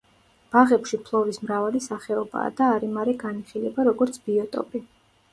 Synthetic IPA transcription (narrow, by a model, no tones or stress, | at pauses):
b̥aʁɛpʃipʰlˠɔɾismɾavalisaχɛɔba̰ːd̪aːɾimaɾɛɡaniχilɛbaɾɔɡɔɾt̪sʰbiɔt̪ʼɔ̰pʼi